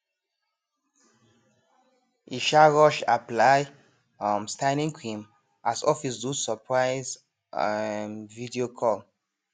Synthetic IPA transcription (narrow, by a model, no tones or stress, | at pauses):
iʃaɹɔʃaplaj | ɔmstaɪnĩŋkʰĩm | asɔfisdusəpʰɹaɪz | mvidiokʰɔl